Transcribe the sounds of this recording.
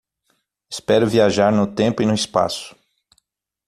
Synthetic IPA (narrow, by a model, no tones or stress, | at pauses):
ɪ̥spɛɾʊviaʒaɾnʊt̪ẽmpʊɪnʊɪspa̰sʊ̥